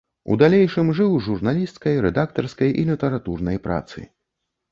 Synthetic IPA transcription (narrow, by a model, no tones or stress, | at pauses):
ṵd̪alʲejʂɨmʐɨwʐurnalʲist̪skɐjɾɛd̪ak̚t̪ɐrskɐjʔilʲit̪ɛɾat̪urnɐjpɾʔa̰t̪sɨ̰